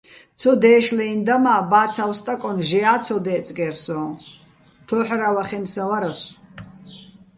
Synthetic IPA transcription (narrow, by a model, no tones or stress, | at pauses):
t̪t͡sʰɔd̪ɛːʃlɛind̪amaːbaːt̪sʰawst̪ʼakʼɔnʒɛaːt̪t͡sʰɔd̪ɛːt͡s̪ʼɡɛɾsɔ | t̪ʰɔːħɾawaχɛnsavaɾas